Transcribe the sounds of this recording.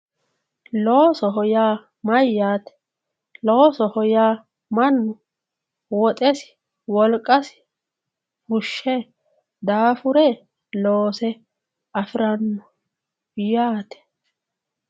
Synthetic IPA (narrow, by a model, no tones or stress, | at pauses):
loːsɔɦɔjaː | mɐjːaːt̪ɛ̥ | lo̞ːsɔhɔjaː | mɐnːʊ | wɔt̪ʼɛsɪ̥ | wɔlkʼːɐsɪ̥ | hʊʃːɛ | d̪aːfʊɾɛ | loːsɛ | ɐfɪɾɐnːɔ | jaːt̪ɛ̥